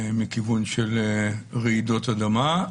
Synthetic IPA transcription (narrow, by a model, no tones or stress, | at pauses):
mikivunʃelʁeid̪o̞t̪ad̪ama